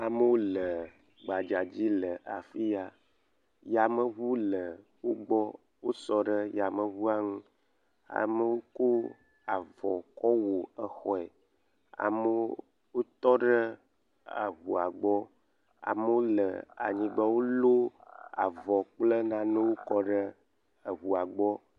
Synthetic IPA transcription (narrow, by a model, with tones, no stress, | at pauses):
a˨mə˦wo˦lə˨ | ɡ͡ba˨d͡ʒa˨d͡ʑi˦lə˨ʔa˨fi˦ja˨ | ja˨mə˦βu˦lə˨wo˦ɡ͡bɔ˦ | wo˦sɔ˨ɖə˦ja˨mə˨βu˦a˦ŋũ˦ | a̰˨mə˦wo˦ko˦ | a˨vɔ˨kɔ˦wo˨ə˨xɔ˨˦ɛ˨ | a̰˨mə˦ | wo˦t̪ɔ˦ɖə˦ | a̰˨ɣu˨a˨ɡ͡bɔ˦ | a̰˨mə˦wo˦lə˨a̰˨ɲĩ˨ɡ͡ba˦wo˦lo˦a̰˨vɔ˨k͡plə˦nã˦nə̃˦wo˦kɔ˦ɖə˦ | ə˨βu˨a˨ɡ͡bɔ˦